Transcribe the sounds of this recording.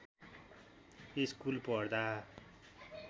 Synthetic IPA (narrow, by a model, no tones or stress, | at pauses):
eskulpʌrd̪a